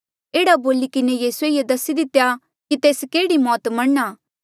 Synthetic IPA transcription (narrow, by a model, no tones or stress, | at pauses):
eːɽaboːlikɪnejiːsueiːed̪ɐsid̪ɪt̪ːja | kit̪eːskeːɽimɔːt̪mɐɽːaː